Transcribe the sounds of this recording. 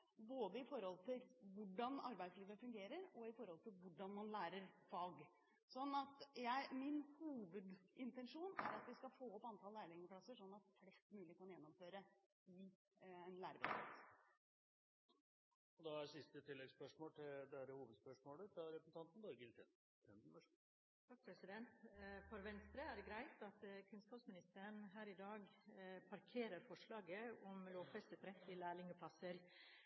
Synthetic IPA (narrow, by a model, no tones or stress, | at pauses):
boːd̪əɪfɔɾhɔlt̪ʰɪlʋʊɖɑnɑɾbæɪd̪sliːʋəfʉŋɡeːɾəɾɔɪfɔɾhɔlt̪ʰɪlʋʊɖːɑnmɑnlæːɾəɾfɑːɡ | sɔnːɑt̪jæɪmɪnhuːʋəd̪ɪnt̪ɛnʂuːnæ̰ɾɑt̪ʋɪskɑfoːɔpːɑnt̪ʰɑlːæːɾlɪŋəpʰlɑsːəʂɔnːɑt̪flɛst̪mʉːlɪkʰɑnjɛnːɔmføːɾə | ɪ | ɛnlæːɾəbɛ̰ɑ̰t̪s | ɔd̪ɑæsɪst̪ət̪ʰɪlːɛɡspœʂmoːlt̪ʰɪld̪ɛæɾəhuːʋəd̪spœʂmoːlət̪ɑɾɛpɾəsn̩t̪ɑnt̪n̩d̪oːɾɡɪlt̪ʰɛ̰n | t̪ʰɛnbəʂ | t̪ʰɑk̚pʰɾɛsɪd̪ɛnt̪fɔɾʋɛnst̪ɾəæɾɡɾæɪt̪ɑt̪kʰʉnskɑːpsmɪnɪst̪əɾəɳɦæːɾɪd̪ɑːɡpʰɑɾkʰeːɾəɾfɔʂɭɑːɡəɔmloːʋfɛst̪ət̪ʰɾɛt̪ːɪlæːɭɪŋəpʰlɑsəɾ